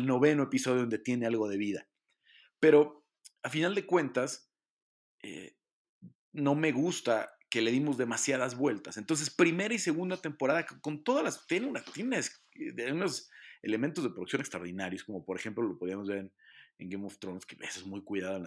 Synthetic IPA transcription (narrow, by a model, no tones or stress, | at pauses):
lno̞βe̞noepiso̞ðjoond̪et̪je̞ne̞alɣo̞ð̞e̞βiða | pe̞ɾo̞ | afinald̪e̞kwẽ̞nt̪as | ḛ | no̞me̞ɣust̪ake̞le̞ðimo̞zðe̞masjaðazβwe̞lt̪ase̞nt̪o̞ns̬e̞spɾime̞ɾaise̞ɣund̪at̪e̞mpo̞ɾaðakko̞nt̪o̞ðalast̪jeneunat̪jenes | alɣunosḛle̞ment̪ozðepɾoðuksjo̞nest̪ɾaoɾðinaɾjo̞sko̞mo̞po̞ɾexe̞mplolopo̞ðiamozβe̞ɾenḛŋɡejmoft̪ɾonskeβesezmujkwiðaðoenl